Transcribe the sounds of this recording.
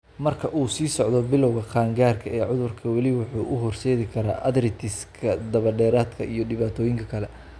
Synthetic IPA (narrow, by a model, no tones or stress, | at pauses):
mɐrkʰɐʔuːsiːsɔʕd̪ɔbɪlɔwɣɐqʰaːŋɡaːrkʰɐɛːʕʊðʊrkʰɐwɑlɪwʊħuːʔʊɦɔrsɛːðɪkʰɐɾa̰ːʔɐðɾɪt̪ʰɪskʰɐd̪ɐβɐɖɛːɾaːd̪kʰɐ̰ʔijɞɖɪβaːt̪ʰɔːjɪŋkʰɐkʰɐlɛ